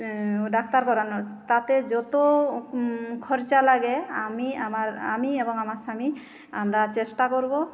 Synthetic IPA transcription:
ɖak̚ʰt̪aɾkɔɾanɔst̪at̪ɛd͡ʒɔt̪o | kʰɔɾt͡ʃalaɡɛamiamaɾa̰miebɔŋamaɾsami | amɾat͡ʃesʈakoɾbɔ

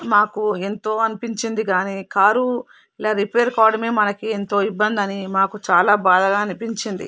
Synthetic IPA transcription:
maːkue̞nt̪o̞ːɐnipiɲt͡ʃind̪iɡaːniːkaːɾu | ilaːɾipeːɾkaːɾɖɐmeːmɐnɐkie̞nt̪o̞ːibːɐnd̪ɐnimaːkut͡ʃaːlaːbaːd̪ɐɡaːnipiɲt͡ʃind̪ḭ

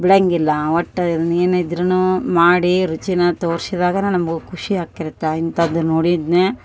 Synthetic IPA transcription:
bɽɐŋɡilːɐʋɐʈːɐid̪ɐneːnid̪ɾɐnumaːɽiɾut͡ʃinɐt̪oːɾsid̪aːɡɐnenɐmɐɡukʰuʂiɦaːkiɾt̪ːeint̪ɐːd̪unoːɽid̪neː

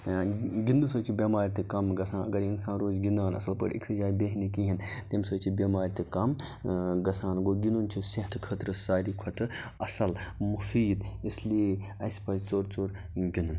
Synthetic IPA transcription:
ɡind̪usɐːt͡ʃʰibʲɐmaːɾʲit̪ikɐmɡɐsaːnɐɡɐɾinsaːnɾoːzɡinaːnɐ̰sɐlpə̰ɽḛksɦɐzaːɾbeɦnikiɦint̪emsɐːt͡ʃʰibʲɐmaːɾʲt̪ɨkɐmɡɐsaːnɡoːɡinunt͡ʃʰisɐɦt̪ʰkʰət̪ɾɨsaːɾikʰɐt̪ʰɨɐsɐlmufiːd̪islieɐspɐzt͡ʃoːɾt͡ʃoːɾ | ɡinun

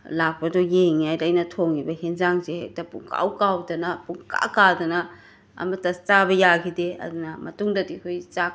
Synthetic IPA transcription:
lak̚pɐdɔjeŋajlajnɐtʰoŋibɐhenzaŋzeek̚tapṵŋkʰa̰wkawdɐnɐpuŋka̰kadɐnɐ | ɐ̰mɐtɐt͡ʃabɐjakʰideɐ̰dunɐmɐtuŋdɐdikʰojt͡ʃa

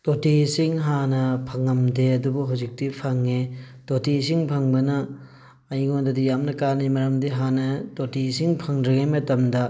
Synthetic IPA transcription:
totisiŋɦanɐpʰɐŋɐmdeɐdubuɦawzik̚tipʰɐŋe | totisiŋpʰɐŋbɐnɐː | jŋondɐdijamnɐkanimɐɾɐmdiɦanɐtotisiŋpʰɐŋdɾɐɡemɐtɐmdɐ

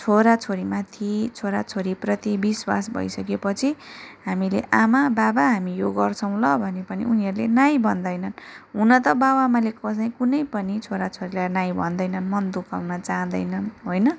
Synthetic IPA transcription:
t͡sʰoɾat͡sʰoɾimat̪ʰit͡sʰoɾat͡sʰoɾiprʌt̪ibiswa̰sbʱʌ̰jsʌk̬epʌt͡sʰiɦamileʔamababaɦamijoɡʌrt͡sʰʌ̃w̃lʌbʱʌnepʌnḭuniɦʌɾulenajbʱʌnd̪ʌjnʌnɦunʌt̪ʌbawamalekʌsʌj̃kunʌjpʌnit͡sʰoɾat͡sʰoɾilajnaj̃bʱʌnd̪ʌjnʌnmʌnd̪ukawnʌt͡saɦʌ̃d̪ʌjnʌnɦojnʌ

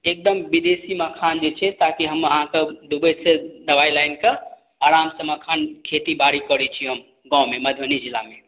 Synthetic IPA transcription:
ek̚d̪əmbid̪esiməkʰand͡ʒet͡ʃʰɛt̪akiɦəməɦãked̪ubəsed̪əbailajnke | aɾamsə̃məkʰankʰet̪ibaɾikəɾɛt͡ʃʰiɦəm | ɡɔ̃meməd̪ʱjənid͡ʒilame

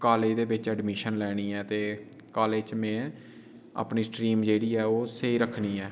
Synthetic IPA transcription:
kaːleːd̪eːbɪt͡ʃəɖmiːʃənlɛːɽ̃iːɛːt̪eː | kaːleːt͡ʃmɛ̃ː | a̰ːpniːsʈɾiːmd͡ʒeːɽiːɛːoːseiːɾəkʰniːɛː

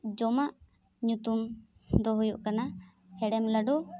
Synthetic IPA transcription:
d͡ʒɔmaʔ | ɲut̪um | d̪ɔɦujuʔkana | hɛɽɛmlaɖɔ

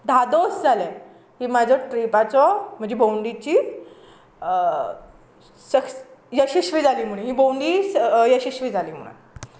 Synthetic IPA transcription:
d̪ʱad̪osd͡zʱale | ɦiːmad͡ʑʱɔʈɾipat͡sɔm̤əɳd͡ʑebowɳɖit͡ɕiː | səkjəɕiɕʋiːd͡zʱaliːm̤uɽ̃ẽɦiːbowɳɖiːjəɕiɕʋiːd͡zʱaliːm̤ṵɽ̃a̰

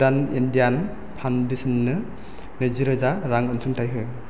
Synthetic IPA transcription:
danindijan | pʰawndesɯnːɯ | neziɾɯzaɾaŋɯnsuŋtʰajɦɯ

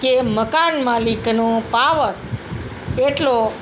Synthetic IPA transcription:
keməkanmaliknõpaʋəɾ | eʈlo

